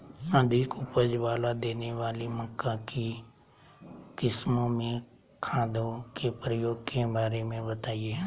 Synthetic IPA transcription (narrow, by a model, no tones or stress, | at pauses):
ãːd̪ʱɪkʊpəd͡ʒʋaːlaːd̪eːneːʋaːliməkːãːkʰiː | kɪsmõːmẽ | kʰãːd̪oːkeːpɾəjoːɡ̚kẽːbaːɾemẽbət̪aːieː